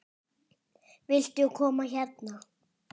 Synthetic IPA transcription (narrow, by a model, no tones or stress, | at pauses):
vɪl̥t̪ɪɔkʰɔːmaçɛt̪na